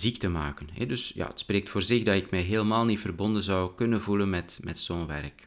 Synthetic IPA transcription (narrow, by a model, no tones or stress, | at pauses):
zik̚təmaːkənɦɛ̰dʏsja̰ːə̰tspreːk̚tfoːrzɪxdɑtɪkmɛjɦeːləmaːlˠnitfərbɔndənzɑwkɵnənvulənmɛtmɛ̰tsoːnʋɛ̰rk